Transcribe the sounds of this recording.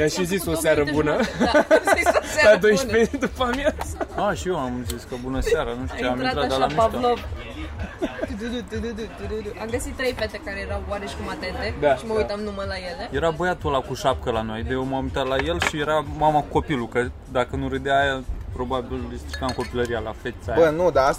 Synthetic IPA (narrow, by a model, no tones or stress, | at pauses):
d̪aʃizisosaɾəbunə | lad̪o̞jʃped̪upamjazəaʃieamziskəbunəseaɾanuʃt̪uut͡ʃeamiat̪ɾat̪d̪alamiʃb̪lov | t̪ud̪ud̪ut̪ud̪ud̪ut̪ud̪ud̪uamɡəsit̪ːɾejfet̪ekaɾejeɾawwaɾeʃi̥kumat̪ent̪ed̪aʃiməujt̪amnuməlajeleje̞ɾabəjat̪olakuʃap̚kəlano̞jd̪ejewmamujt̪at̪laje̞lʃije̞ɾamamakuko̞pilukə | d̪akənuɾed̪aːjapɾo̞babillist̪ɾi̥kamko̞piləɾijalafet̪sajbənud̪aas